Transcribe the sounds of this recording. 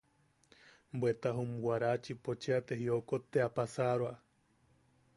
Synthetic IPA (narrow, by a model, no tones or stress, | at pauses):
mbwet̪aɦũmuwaɾat͡ʃipot͡ʃeat̪eɦiokot̪eapasaɾwa